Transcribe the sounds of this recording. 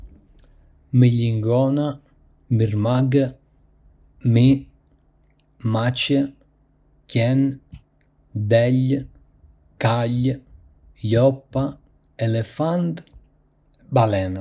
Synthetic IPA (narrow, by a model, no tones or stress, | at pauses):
miʎiŋɡɔna | mirmaɡ | mi | mat͡ʃə | kjɛn | d̪ɛʎ | kaʎ | jɔpːa | ɛlefand̪ | balɛna